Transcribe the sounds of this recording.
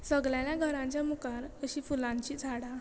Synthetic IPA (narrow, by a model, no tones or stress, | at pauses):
səɡljãljaɡʱəɾãɲt͡ɕjamukaɾəɕiːfulãɲt͡ɕiːd͡zʱaɽa